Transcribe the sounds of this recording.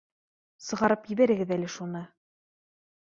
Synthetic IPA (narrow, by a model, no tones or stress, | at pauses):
sɤ̆ʁɑɾɤpjɘ̆βæɾɘ̆ɡɘðælɘʃunɤ